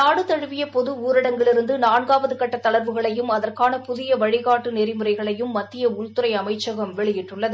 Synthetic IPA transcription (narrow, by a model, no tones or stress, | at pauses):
naːɽɯt̪ɐɻɯʋɪjɐpɔðɯuːɾɪɽɐŋɡɐɭɪɾɯnd̪ɯnaːɳɡaːʋɐðɯkɐʈːɐt̪ːɐɭɐɾʋɯɣɐɭɐjɯmɐðɐrkaːnɐpʊðɪjɐʋɐɻɪɣaːʈːɯnɛɾɪmɯrɐɪɣɐɭɐjɯmːɐt̪ːɪjɐʊɭt̪ɯɾɐɪɐmɐɪt͡ʃːɐɣɐmʋɛɭɪjɪʈrɯɭːɐðɯ